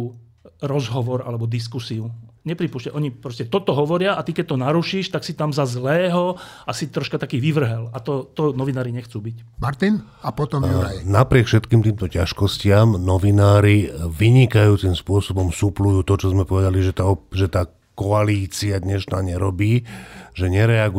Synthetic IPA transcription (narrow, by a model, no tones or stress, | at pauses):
ɾɔzɦɔʋɔɾa̰lɛbɔd̪iskusiuɲɛpɾipuːʃcaʔɔɲipɾɔscɛt̪ɔt̪ɔɦɔʋɔɾɪaʔat̪ikɛc̚t̪ɔnaɾuʃiʃt̪aksit̪amzazlɛːɦɔ | asit̪ɾɔʃkat̪akiːʋiʋr̩ɦɛlat̪ɔt̪ɔnɔʋinaːɾiɲɛxt͡suːbicmaɾt̪in | apɔt̪ɔmanapɾɪɛkfʃɛt̪kiːmt̪iːmt̪ɔcaʃkɔscɪamnɔʋinaːɾiʋiɲikajuːt͡simspʊɔsɔbɔmsuplujuːt̪ɔt͡ʃɔzmɛpɔʋɛd̪aliʒɛt̪aʒɛt̪aː | kɔaliːt͡siad̪ɲɛʃnaːɲɛɾɔbiːʒɛɲɛɾɛaɡu